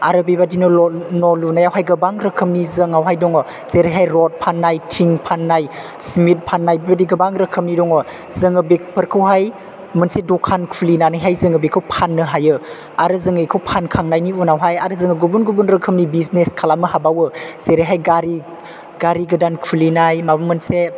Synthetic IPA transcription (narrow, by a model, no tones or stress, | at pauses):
aɾɯbibadinɯnɔlunajawɦajɡɐbaŋɾəkʰəmnizəŋawɦajdɔŋɔ | z̥eɾejɦajɾɔt̚pʰanːajtʰiŋpʰanːaj | smit̚pʰanːajbibadiɡɐbaŋɾəkʰəmnidɔŋɔ | zəŋɯbek̚pʰəɾkʰɯwɦaj | mɯnsedɔkʰankʰulinanajɦajzəŋɯbikʰɯwpʰanːɯɦajɯ | aɾɯzɯŋɯjkʰɯwpʰankʰaŋnajniunawɦajaɾɯzɯŋɯɡubunɡubunɾəkʰəmnibizneskʰalamɯhabawɯz̥eɾeɦajɡaɾi | ɡaɾiɡɐdankʰulinajmabɯmɯnse